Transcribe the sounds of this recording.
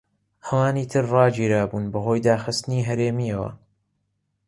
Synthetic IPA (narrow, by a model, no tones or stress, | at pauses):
hɐwaːniːt̪ʰɨɾrɑːd͡ʒiːɾaːbuːnbɐho̞ːjd̪aːxɨst̪ɨniːɦɐɾeːmiɐwɐ̰